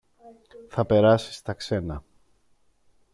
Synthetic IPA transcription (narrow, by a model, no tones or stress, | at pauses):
θɐpe̞ɾɐsi̥st̪ɐkse̞nɐ